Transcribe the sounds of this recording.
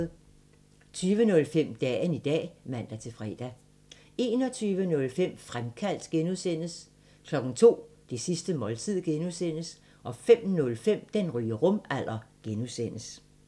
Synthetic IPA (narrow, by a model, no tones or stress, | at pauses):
t͡sʰyːʋənɔ̽lfem̰d̥ɛ̰ːənid̥ɛ̰ːʋæn̰d̥æt͡sʰe̝fʁɛ̰ːd̥æ | e̝ːnɒ̽t͡sʰyːʋənɔ̽lfem̰fʁamkʰæl̰d̥ɡ̥enuðˠsen̰əs | kʰlɒ̽ɡ̥n̩t͡sʰo̝̰ːd̥e̝sisd̥əmɒ̽lt͡sʰið̰ˠɡ̥enuðˠsen̰əs | ʔɒ̽fem̰nɔ̽lfem̰d̥enʁyːəʁɔ̽mæl̰ʔɐɡ̥enusen̰əs